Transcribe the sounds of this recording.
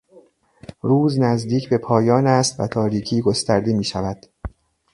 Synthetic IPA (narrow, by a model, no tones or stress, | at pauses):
ɾuːznæzd̪iːcʰbe̞pʰɒːjɒːnæst̪væ̰t̪ʰɒːɾiːcʰiːɡo̞st̪æɾd̪e̞miːʃævæd̪̥